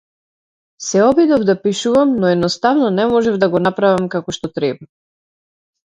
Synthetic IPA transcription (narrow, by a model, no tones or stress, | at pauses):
sɛɔbid̪ɔvd̪apiʃuvamnɔɛd̪nɔst̪avnɔnɛmɔʒɛvd̪aɡɔnapɾavamkakɔʃt̪ɔt̪ɾɛba